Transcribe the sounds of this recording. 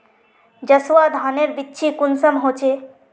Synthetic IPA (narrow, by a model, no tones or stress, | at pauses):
d͡ʒəswad̪ʱaneɾbitːʃʰikunsəmɦoːt͡ʃʰe